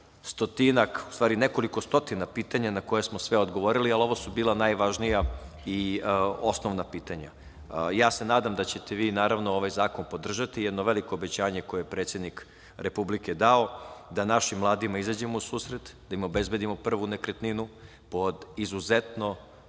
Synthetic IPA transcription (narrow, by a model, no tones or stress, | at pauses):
st̪o̞t̪inaku̥st̪ʋaːɾine̞ko̞liko̞st̪o̞t̪inapiːt̪aɲanakojesmosʋeod̪ɡo̞ʋo̞ɾilialo̞ʋosubiːlanajʋaʒnija | io̞snoʋnapiːt̪aɲa̰ | jaːse̞naːd̪amd̪at͡ɕe̞t̪e̞ʋiːnaːɾaʋnoo̞ʋajzaːko̞npo̞d̪r̩ʒat̪ijɛd̪noʋe̞liko̞obet͡ɕaːɲeko̞jejepɾet̪sje̞d̪nik | ɾe̞publike̞d̪ao̞d̪anaʃimmlˠaːd̪imaizad͡ʑe̞mousuːsɾet̪d̪aimo̞be̞zbe̞d̪imo̞pr̩ʋunekɾet̪ninu | po̞d̪izuzet̪no̞